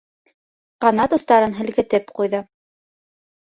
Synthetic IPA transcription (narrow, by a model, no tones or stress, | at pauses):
qɑnɑt̪ŏst̪ɑɾɤnɦɘ̆lkɘ̆t̪ɘpqujðɤ